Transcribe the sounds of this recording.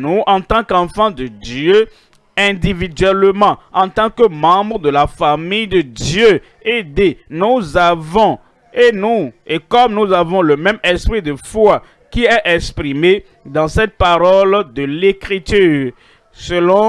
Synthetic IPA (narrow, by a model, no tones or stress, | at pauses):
nuɑ̃t̪ɑ̃kɑ̃fɑ̃d̪əd̪jø | ɛ̃d̪ivid̪ɥɛlmɑ̃ɑ̃t̪ɑ̃kəmɑ̃bʁəd̪əlafamijd̪əd̪jø | ed̪enuzavɔ̃ | enuekɔmnuzavɔ̃ləmɛmɛspχid̪əfwa | kiɛʔɛkspʁime | d̪ɑ̃sɛt̪̚paʁɔld̪əlekʁit̪yːʁ | səlɔ̃